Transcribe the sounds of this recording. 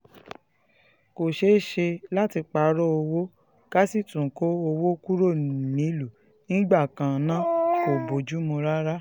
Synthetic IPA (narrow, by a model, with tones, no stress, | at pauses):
ko˨ʃe˨˦ʃe˧la˦ti˧k͡pa˨ɾɔ˦o˧wo˦ | ka˦si˦˨tũ˨ko˦o˧wo˦ku˦ɾo˦˨mĩ˨˦lu˨ | nĩ˦ɡ͡ba˦˨kã˨nã˨˦ko˨bo˨d͡ʒu˦mũ˧ɾa˦ɾa˦